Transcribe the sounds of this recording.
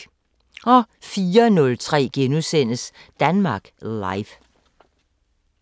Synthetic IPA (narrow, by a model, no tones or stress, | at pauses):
ɒ̽fiːɐnɔ̽lt͡sʰʁɛ̰ːɡ̥enusen̰əsd̥ænmɑ̈ːɡ̥lɑ̈ɪf